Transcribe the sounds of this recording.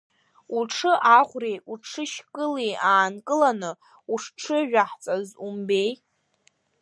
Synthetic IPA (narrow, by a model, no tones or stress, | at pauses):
uʈ͡ʂʰɨʔaʁʷrejuʈ͡ʂʰɨʃkʼɨlejaːnkʼɨlanɨ | uʂʈ͡ʂʰɨʒᶣaħt͡sʼazumbej